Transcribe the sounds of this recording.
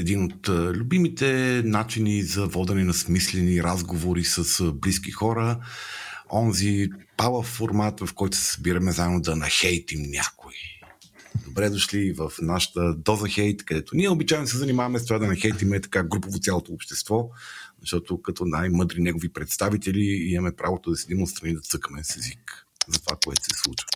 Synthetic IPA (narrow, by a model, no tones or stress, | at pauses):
ɛd̪inot̪lʲʊbimit̪ɛnat͡ʃinizɐvɔd̪ɛnɛnɐsmislɛniɾazɡovoɾisəsbliskixɔɾə | ɔnzipalˠəfoɾmat̪vɐfkɔjt̪o̥sɛ̥sɐ̥biɾəmɛzaɛmod̪ɐnɐxɛjt̪imnʲa̰koi | d̪obɾɛd̪oʃlivəfnaʃə̥t̪əd̪ɔzɐxɛjt̪kɐd̪ɛt̪onʲiɛobit͡ʃajɛnosɛzɐnimavɐmɛs̬t̪ovad̪ɐnɐxɛjt̪imɛt̪ɐ̥kaɡɾupovot̪sʲjalˠot̪oːpʃt̪ɛst̪vɔzɐʃt̪ɔt̪ʊkɐt̪ɔnajmɤd̪ɾinɛɡovipɾɛt̪st̪avit̪ɛliimɐmɛpɾavot̪od̪ɐsid̪imot̪st̪ɾɐnid̪ɐt̪ɤkəmɛsɛzik | zɐt̪o̥vakoɛt̪o̥sɛslˠut͡ʃvə̥